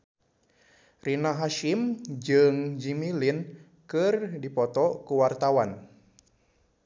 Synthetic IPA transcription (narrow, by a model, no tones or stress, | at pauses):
rinaɦaʃimd͡ʒɨŋd͡ʒimilin | kɨrdipɔt̪ɔkuwart̪awan